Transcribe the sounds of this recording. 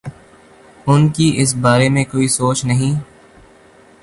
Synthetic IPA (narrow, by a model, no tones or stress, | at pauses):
ʊnkiʔɪs̬baːɾemẽkoːisoːt͡ʃnɐɦĩː